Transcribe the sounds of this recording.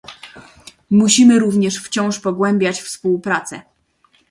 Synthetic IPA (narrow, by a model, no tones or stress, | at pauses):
muɕimɘɾuvɲɛʂft͡ɕɔ̃w̃ʂpɔɡwɛmbʲjat͡ɕfspuwpɾat̪sɛ̰